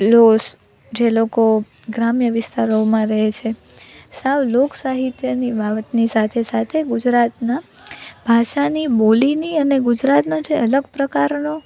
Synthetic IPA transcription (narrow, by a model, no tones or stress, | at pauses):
los | d͡ʒeloko | ɡɾamjəʋɪst̪aɾomãɾəɦet͡ʃʰe | saʋloksaɦit̪jənibʱaʋət̪nisat̪ʰesat̪ʰeɡud͡ʒɾat̪nabʱaʃaniboliniəneɡud͡ʒɾat̪not͡ʃʰeələɡpɾəkaɾno